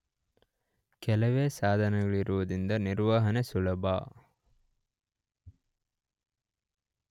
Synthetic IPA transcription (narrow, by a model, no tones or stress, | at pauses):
kɛlɐʋeːsaːd̪ʱɐnɛɡɐɭiɾuʋud̪ind̪ɐniɾʋaːɦɐnesulɐbʱa̰ː